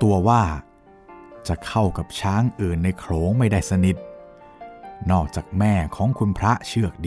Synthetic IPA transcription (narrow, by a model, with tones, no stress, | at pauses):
t̪u˧ɐwaː˥˩ | t͡ɕa˨˩kʰa˥˩wka˨˩p̚t͡ɕʰaː˦˥ŋʔɯː˨˩nːa˧jkʰɾoː˩˦ŋma˥˩jdaː˥˩jsa˧ni˨˩t̪̚ | nɔː˥˩k̚t͡ɕaː˨˩k̚mɛː˥˩kʰɔː˩˦ŋkʰu˧npʰɾa˦˥ʔt͡ɕʰɯ˥˩ək̚diː˧